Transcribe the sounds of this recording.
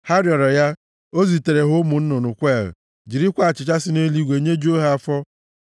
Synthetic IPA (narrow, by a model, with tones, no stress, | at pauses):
ha˦ɾjɔ˨ɾɔ˨ja˦ | o˦zi˨te˨ɾe˨ɦʊ˦mu˨n̩˦nʊ˨nʊ˨kʷe˦˨l̩̰˨ | d͡ʒi˨ɾi˦kʷa˦a˨t͡ʃɪ˨t͡ʃa˦sɪ˦ne˦li˦ɡʷe˨ɲe˦d͡ʒu˦o˦ɦa˦a˦fɔ˦